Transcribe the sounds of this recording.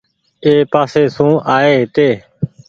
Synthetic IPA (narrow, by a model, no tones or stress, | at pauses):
eːpaːseːsũːʔaːeːt̪eː